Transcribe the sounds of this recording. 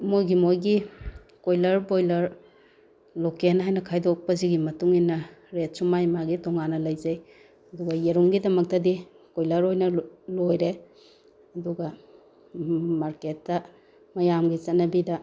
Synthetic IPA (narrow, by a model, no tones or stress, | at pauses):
mojɡimojɡi | kojlɐɾbojlɐɾ | lokenɦajnɐkʰajdok̚pɐziɡimɐtuŋinːɐɾet̚sumajmaɡitɔŋanːɐlɐjzɐj | ɐduɡɐjeɾuŋɡidɐmɐk̚tɐdi | kojlɐɾojnɐlojɾe | ɐduɡɐ | maɾketːɐ | mɐjamɡit͡ʃɐtnɐbidɐ